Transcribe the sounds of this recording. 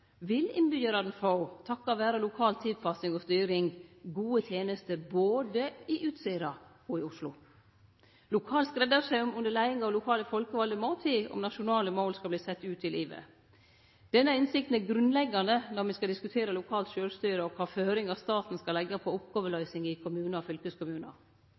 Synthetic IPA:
ʋɪlɪnbʏəɾɑd̪nfaʊt̪ʰɑkːɑʋæːɾəlʊkʰɑːlt̪ʰɪd̪fɑsɪŋɔst̪yːɾɪŋɡuːət̪ʰjeːnəst̪əboːd̪əɪʔʉːt̪siːɾɑ | ɔɪʊʂlʊ | lʊkʰɑːlskɾɛd̪ɑʂæɪɔmʉnd̪əɭæɪɪŋɑʋlʊkʰɑːləfɔlkəʋɑld̪əmoːt̪ʰiːɔ̰mnɑʃʊnɑːləmoːlskɑbliːsɛt̪ːʉːt̪ʰɪlʔiːʋə̰ | d̪̥ɛnːəɪnsɪk̚t̪n̩æɾɡɾʉnlɛɡːɑnd̪ənɔɾmɪskɑld̪ɪskʉt̪ʰeːɾəlʊkʰɑːlt̪ʃøːlst̪yːɾəɔkʰɑːføːɾɪŋɑst̪ɑːt̪n̩skɑlɛɡːɑpʰɔʊpɡ̥oːʋəlœʏsɪŋɪkʰʊmʉːnɑɔfʏlkəskʰʊmʉːnɑ̰

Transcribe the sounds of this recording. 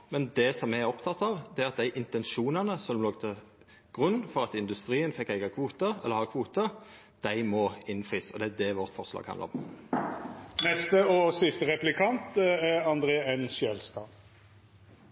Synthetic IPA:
mɛnd̪ɛsɔmːææʁɔpt̪ʰɑt̪ːɑʋd̪ɛæɾɑt̪̚d̪æɪʔɪnt̪ɛnʃuːnənəsɔmloːɡt̪ʰə | ɡ̥ʁʉnːfɔʁɑt̪ɪnd̪ʉst̪ʁiːənfɛkːæɪɡɑkʰʋuːt̪əɛ̰lːəɾhɑkʰʋuːt̪ə | d̪̥æɪmɔɪnfʁiːsɔd̪ɛæd̪ɛʋɔʁt̪fɔʁslɑ̰ɡhɑnd̪̰ɔ̰m | nɛst̪əɔsɪst̪əʁɛplɪkʰɑnt̪ɛɾɑnd̪ɾeːɛnʃjɛlst̪ɑː

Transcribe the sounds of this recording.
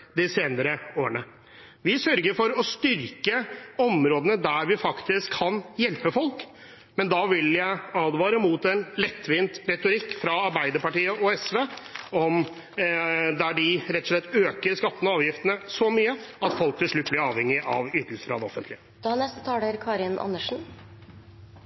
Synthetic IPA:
d̪ɪseːnəɾəoːəɳə | ʋɪsœɾɡəɾfɔɾɔst̪ʏɾkəɔmɾoːd̪ənəd̪æɾʋɪfɑkt̪ɪskʰːɑnjɛlpəfɔlk | mɛnd̪ɑʋɪljæɪɑːd̪ʋɑːɾəmʊt̪ɛnlɛt̪ːʋɪnt̪ɾɛt̪ʊɾɪkːfɾɑɑɾbæɪd̪əɾpɑʈiːəʔɔɛsʋeːɔm | d̪æɖɪɾɛt̪ːɔʂɭɛt̪ːøːkəɾskɑt̪ːənəɑːʋjɪft̪ənəsɔmyːəɑt̪fɔlk̚t̪ʰɪlʂɭʉt̪ːb̪ɪɾɑːʋhɛŋːɪʔɑʋyt̪ːəsə̥fɾɑ̰d̪ɛɔ̰fənt̪lɪəd̪̥hɑnɛst̪ə̥t̪ʰɑːəɾkʰɑːɾɪnʔɑ̰nːəʂn̩

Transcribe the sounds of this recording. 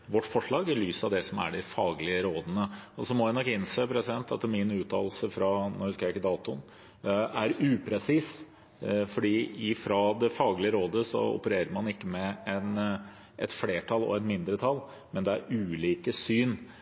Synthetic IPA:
ʋɔʈːfɔʂɭɑːɡɛlyːsɑʋd̪ɛsɔmæ̰ɖɛfɑːɡlɪəɾoːd̪ənəɔsɔmɔjæɪnɔkːɪnseːpʰɾɛsɪd̪ɛnt̪ɑ̰t̪mɪnʉːt̪ʰɑ̰ːlsəfɾɑnɔhʉskəjæɪkːəd̪ɑːt̪ʊn | æɾʉːpʰɾɛsiːs | fɔɖiːɪfɾɑd̪ɛfɑːɡlɪəɾoːd̪əsɔ̰ɔ̰pəɾeːɾəɾmɑnɪkːəmɛɛn | ʔɛt̪fleːʈʰɑlːɔ̰ɛt̪mɪnd̪ɾət̪ʰɑlː | mɛnd̪ɛæ̰ɾʉːliːkəsyːn

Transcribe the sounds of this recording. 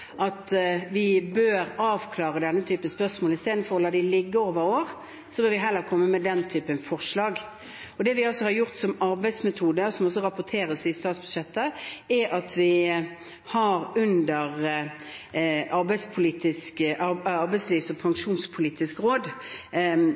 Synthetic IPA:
ʔɑt̪ʋɪbøːɾɑːʋkʰlɑːʁəd̪ɛnːət̪ʰyːpəspœsmoːlɪst̪eːd̪n̩fɔɾɔlɑːd̪ɪlɪɡːəoːʋəɾoːɾ | sɔbøːɾʋɪɦɛlːəɾkʰɔmːəmɛd̪ɛnt̪ʰyːpənfɔʁʂlɑːɡ | ɔd̪ɛʋɪɔsɔhɑɾjʊʁt̪sɔmɑɾbæɪsmɛt̪ʰuːd̪əɔsɔmɔsɔʁɑpʊt̪ʰeːɾəsɪst̪ɑːt̪sbʉd̪̥ʂɛt̪ːəæɑt̪ʰʋɪ | hɑɾʉnd̪əʁ | ɑɾbæɪspʰʊliːt̪ɪskʔɑɑɾbɛɪsliːsɔpʰɑŋʂuːnspʰʊliːt̪ɪskʁoːd̪

